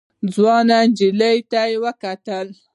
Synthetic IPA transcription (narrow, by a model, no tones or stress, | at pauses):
d͡zwɑnand͡ʒiləjt̪ajewəkat̪əl